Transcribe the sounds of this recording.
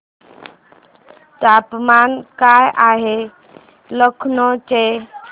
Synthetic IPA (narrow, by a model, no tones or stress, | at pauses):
t̪aːpmaːnkajʔaːɦe | ləkʰnot͡ʃe